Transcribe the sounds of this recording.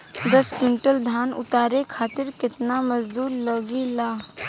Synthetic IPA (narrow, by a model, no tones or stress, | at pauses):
d̪əspɾɪɳʈəld̪ʱaːnʊ̰t̪aːɾekʰaːt̪ɪɾkɪt̪naməd͡ʒd̪uːɾləɡilaː